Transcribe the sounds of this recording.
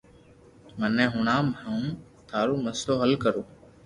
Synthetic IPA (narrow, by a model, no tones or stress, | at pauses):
mənɛ̃ːɦʊɳãːmːũː | t̪ʰaːɾuːməsloːɦəlkəɾoː